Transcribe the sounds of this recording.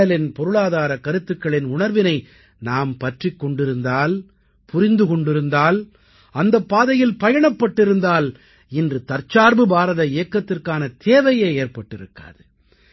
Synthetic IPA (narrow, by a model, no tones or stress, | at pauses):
ɐlɪnpɔɾɯɭaːðaːɾɐkɐɾɯt̪ːɯkːɐɭɪnʊɳɐɾʋɪnɐɪ | naːmpɐʈrɪkːɔɳɖɪɾɯnd̪aːl | pʊɾɪnd̪ɯkɔɳɖɪɾɯnd̪aːl | ɐnd̪ɐpːaːðɐjɪlpɐjɐɳɐpːɐʈːɪɾɯnd̪aːl | ɪndrɯt̪ɐɾt͡ʃaːɾbɯbaːɾɐðɐɪjɐkːɐt̪ːɪrkaːnɐt̪ʰeːʋɐjeːeːrpɐʈːɪɾɯkːa̰ːðɯ